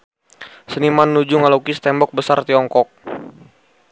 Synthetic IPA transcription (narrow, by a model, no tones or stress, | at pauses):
sənimanːud͡ʒuŋalokist̪ɛmbɔk̚bəsart̪iɔŋkɔk̚